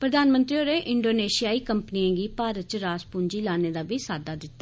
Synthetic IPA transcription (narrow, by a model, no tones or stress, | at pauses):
pɾəd̪aːnmə̃nt̪ɾioːɾeːʔɪɳɖoːneːʃijaːiːkəmpəniːãːɡiːpaːɾət̪̚t͡ʃɾaːspʊːɲd͡ʒiːlaːneːd̪aːbiːsaːd̪aːd̪ɪt̪ːaː